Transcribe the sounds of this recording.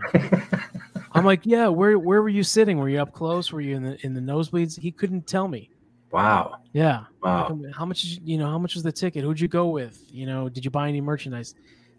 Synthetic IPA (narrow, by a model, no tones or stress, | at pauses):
ʔãɪ̃mlaɪkjæwə˞wə˞wə˞jɨsɪɾɪ̃ŋwə˞jɨʌp̚kʰl̥oʊswə˞jɨɨ̃nðɨʔɨ̃nðɨnoʊzwidz̥hikʰʊdⁿn̩tʰɛlˠmi | wa̰ʊjæwãhaʊmʌt͡ʃɨzjɨnoʊhaʊmʌt͡ʃwʌzðɨtʰɪkɨt̚huɨd͡ʒɨɡoʊwɪð̥jɨnoʊdɨd͡ʒɨbaɪɛnimɜ˞t͡ʃɨndaɪs